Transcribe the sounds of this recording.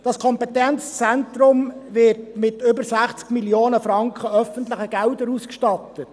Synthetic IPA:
d̥ɑskʰɔmpɛtɛnt͡st͡sɛntɾʊmvɪrtmɪtʏbəɾsæχt͡skmiljoːnəfɾɑŋkχəœfəntləχəɡ̥æʊdəɾuskʃtɑtət

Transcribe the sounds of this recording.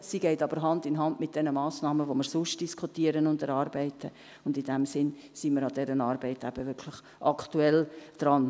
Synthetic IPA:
siɡɛɪtɑb̥əɾɦɑndɪnɦɑndmɪt̚d̥ɛnəmɑːsnɑːməʋoməɾsʊʃt̚d̥iskʰutiːəɾənʊntəɾɑːrbɛɪtʰə | ʊndɪnd̥ɛmsɪn | siməɾɑdɛɾənɑːɾbɛɪtæb̥əʋɪɾkʰlɪχ | ʔɑkʰtuɛld̥ɾɑn

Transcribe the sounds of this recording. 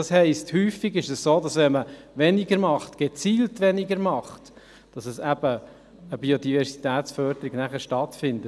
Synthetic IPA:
ɑshɛɪsthyːfiɡɪʃɛssoːdɑsʋɛnməʋɛnɪɡəɾmɑχtɡ̥et͡siːltʋɛnɪɡəɾmɑχt | d̥ɑsɛsæb̥ə | əbiodivɛɾsitæːt̪sfœɾd̥əɾiɡnæχəɾʃtɑtfɪndə

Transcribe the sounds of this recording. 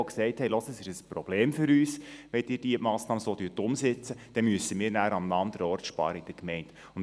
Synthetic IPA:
ksɛɪthɛɪlosəsɪʃəsprob̥leːmfʏɾyːsʋɛtɪːd̥iəmɑːsnɑːməsoːtyːtʊmsɪt͡səd̥ɛmyəsəmiːɾnæːɾɑmlɑnd̪əɾɔɾtʃpɑ̰ːɾəɪd̥əkmɛɪnd̥ | ʊn

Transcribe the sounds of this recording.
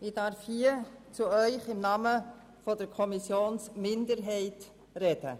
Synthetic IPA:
ɪd̥ɑɾfhiːt͡suœʏχɪmnɑːmə | fɔdəɾkʰɔmisjoːnsmɪndəɾɦɛɪt | rɛd̥ə̰

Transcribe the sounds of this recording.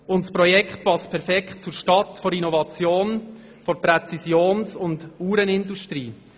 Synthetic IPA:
ʊntspɾɔjɛkχt̚pɑspʰɛɾfɛkχt̚t͡suɾʃtɑtfɔɾinɔvɑt͡sjoːn | foɾpɾɛt͡sisjoːnsʊnduːɾənɪnduʃtɾiː

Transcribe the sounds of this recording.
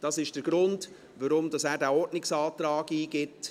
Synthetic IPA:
d̥ɑsɪʃd̥əɾɡ̥ɾʊnd | ʋaɾʊmdɑsæːɾdæːɔtnɪksɑːtɾɑːɡiːɡɪt

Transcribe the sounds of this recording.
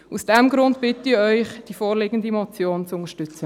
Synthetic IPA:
usd̥ɛmɡɾʊndb̥ɪtiœʏχd̥ifoːɾlɪːɡən̩dimɔt͡sjoːnt͡sʊŋəʃtʏt͡sə

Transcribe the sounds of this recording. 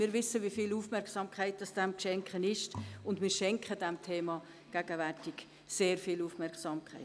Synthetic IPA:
mɪːɾvɪsəʋifiːluːfmɛɾksɑmkχæɪt̚d̥ɑsd̥ɛmkʃɛŋkχənɪʃtʊndmɪːɾʃɛŋkχədɛmtʰeːmɑ | ɡ̥æɡəværtɪk | seːɾfilufmɛɾksɑːmkʰχɛ̰ɪ

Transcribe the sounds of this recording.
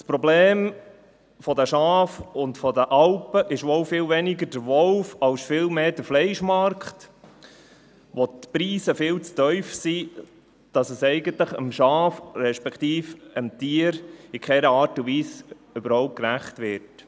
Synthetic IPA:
spɾɔbleːm | fɔdəʃɑːfʊntfɔdəʔɑlpəʔɪʃʋɔlfɪlʋɛnɪɡəɾd̥əʋɔlfɑlsfɪlmeːd̥əɾflɛɪʃmɑɾkχt | ʋotpɾiːsəfɪːlt͡stœʏfsi | d̥ɑsəsɛɪɡənt̪ləχəmʃɑːfɾɛʃpɛkʰtiːfəmtiːəɾikχɛɾəɑːɾtʊʋiːs | ʏbəɾhɔʊp̚t̚kɾæχtʋɪt

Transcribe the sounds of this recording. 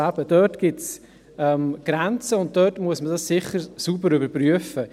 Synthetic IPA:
æb̥əd̥œtɡ̥ɪts | ɛmɡ̥ɾɛnt͡səʊnt̚tœːtmuəsmədɑssɪχəɾsubəɾʏbəɾpryəfə

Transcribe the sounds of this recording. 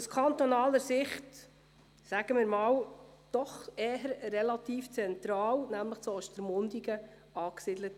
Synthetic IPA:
uskʰɑnt̪ɔnɑːləɾsɪχt | sæɡ̥əmɪːɾmɑːwd̪̥ɔχeːɦəɾrɛlɑt̪iːft͡sɛnt̪ɾɑːwnæmləχt͡sɔʃtəɾmʊnd̪iɡə | ɑːksɪdlət

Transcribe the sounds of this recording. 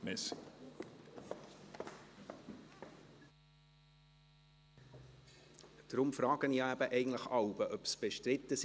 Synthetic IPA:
mɪs | d̪̥ɾʊmfɾɑːɡ̥əniæbəʔɛɪɡən̩tləχɑwbəʔœpsb̥eʃtɾɪt̪ːəs

